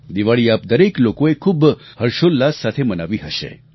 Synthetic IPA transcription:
d̪iʋaɭiːap̚d̪əɾeklokoekʰuːbhəɾʃolːassːat̪ʰemənaʋiːɦəʃḛ

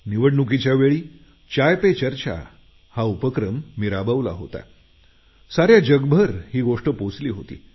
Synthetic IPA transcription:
niʋəɽnuk̬it͡ɕjaʋeɭiː | t͡ɕajpet͡ɕəɾt͡ɕa̰ | haupəkɾəmːiɾabəʋla̰ɦo̰t̪a̰ | saɾjad͡ʑəɡbʱəɾhiːɡoʂʈəpot͡sliːɦot̪ḭː

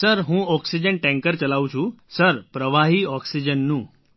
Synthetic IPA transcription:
səɾɦũːɔksid͡ʑəɳʈɛ̃ŋkəɾt͡ɕəlawt͡ɕũːsəɾpɾəʋaɦiːɔksid͡ʑənːũː

